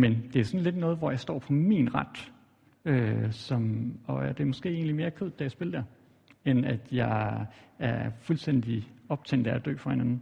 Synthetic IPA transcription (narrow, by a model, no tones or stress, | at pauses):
mend̥e̝æsɒ̽nle̝d̥nɔ̽ːð̩ˠʋɒjɑ̈sd̥ɒ̰ːpʰɒ̽minʁɑd̥ | øsɒ̽mɒ̽d̥e̝ɐmɒ̽sɡ̥e̝̰ːe̝̰ːnlime̝ːɐkʰøð̰ˠd̥æjäsb̥e̝ld̥eɐ | enæd̥jɑ̈ɪæɐfulsd̥en̰d̥iɒ̽b̥̚t͡sʰen̰d̥ææd̥ø̰ːfɒhe̝næn̩